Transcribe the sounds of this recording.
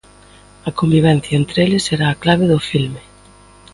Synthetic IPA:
ɐkombiβɛn̟θjɐent̪ɾeelɪseɾaːklaβ̞eðʊfilme

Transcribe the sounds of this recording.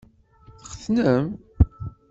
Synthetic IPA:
θχəθnəm

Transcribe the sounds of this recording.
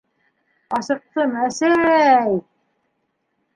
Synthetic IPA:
ɑsɤ̆q̚t̪ɤmæsæɾæj

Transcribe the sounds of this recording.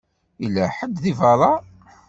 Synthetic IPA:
ilːæħəd̪ðivɑɾˤɑ

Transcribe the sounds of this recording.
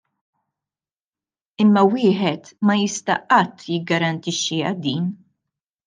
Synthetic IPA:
ɪmːɐwɪːħɛt̪mɐjɪst̪ɐʔɐt̪ːjɪɡːɐɾɐnt̪ɪʃːiɐd̪iːn

